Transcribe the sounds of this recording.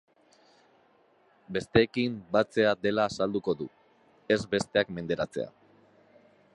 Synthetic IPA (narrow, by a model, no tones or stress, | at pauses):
be̞st̪e̞ːkimbat͡se̞ad̪e̞laːsald̪uko̞ðu | e̞zbe̞st̪e̞akme̞nd̪e̞ɾat͡se̞̰a̰